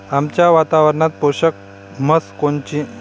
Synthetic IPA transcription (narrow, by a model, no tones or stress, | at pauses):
amt͡ɕjaʋat̪aʋəɾɳat̪̚poɕək̚ | məskont͡ɕĩ